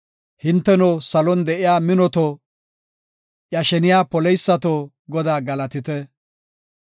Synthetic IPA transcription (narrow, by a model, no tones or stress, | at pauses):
hɪnt̪ːɛnɔːsɐlɔnd̪ɛʔɪjaːmɪnɔt̪ɔ | ʔjɐʃɛnɪjaːpɔlɛjsːɐt̪oː | ɡɔd̪aːɡɐlɐt̪ɪt̪ɛ